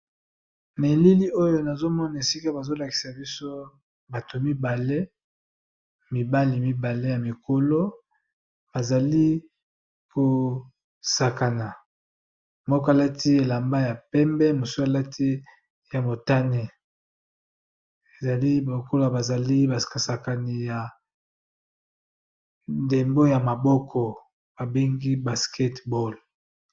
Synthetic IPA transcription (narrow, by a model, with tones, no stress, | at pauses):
na˨e˨li˦li˦o˦jo˦na˨zo˦mɔ˦na˨e˨si˦ka˦ba˨zo˦la˨ki̥˨sa˨bi˦so˦ | ba˨to˨mi˦ba˨le˦ | mi˨ba˦li˨mi˦ba˨le˦ja˨mi˨ko˨lo˦ | b̥a˨za˨li˦ | ko˨ | sa˨ka˨na˨ | mɔ˦kɔ˦a˨la˦tʰi˦e˨la˨mba˦ja˨pɛ˦mbɛ˦mo˨so˦a˨la˦tʰi˦ | ja˨mo˨ta˦ne˨ | e˨za˨li˦bo˨ko˦lo˦a˨ba˨za˨li˦ba˨a˨sa˨ka˨ni˨ja˨ | nde˨mbo˦ja˨ma˨bɔ˦kʰɔ˨ | b̥a˨be˦ŋɡi˦ba˨skʰɛ˦tbɔ˦˨l